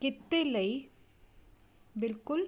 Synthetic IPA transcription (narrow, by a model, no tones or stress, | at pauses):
kɪt̪ːɪlɐɪ | bɪlkʊl